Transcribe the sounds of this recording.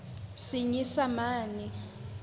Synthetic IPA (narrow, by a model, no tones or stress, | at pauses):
siɲisamaːni